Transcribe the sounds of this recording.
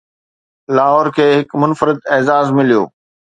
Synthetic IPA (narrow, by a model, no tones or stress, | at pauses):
laːɦɔːɾkʰeːɦɪkmʊnfəɾɪd̪ɛːzaːzmɪlijo̰ː